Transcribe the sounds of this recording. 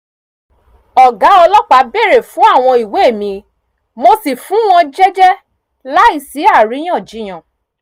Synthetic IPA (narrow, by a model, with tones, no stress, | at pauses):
ɔ˨ɡa˨˦ɔ˧lɔ˦k͡pa˧be˦˨ɾe˨fũ˨˦a˦˨w̃ɔ̃˧i˨we˨˦e˦˨mĩ˧ | mo˧si˨fũ˨˦w̃ɔ̃˧d͡ʒɛ˦d͡ʒɛ˦ | la˦i˦˨si˨˦a˦˨ɾĩ˨˦ã˦˨d͡ʒi˨˦j̃ã˦˨